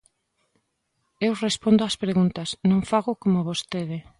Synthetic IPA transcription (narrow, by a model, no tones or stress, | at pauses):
ewrespond̪oaspɾeɣunt̪ɐsnõŋfaɣʊkomoβost̪eð̞ɪ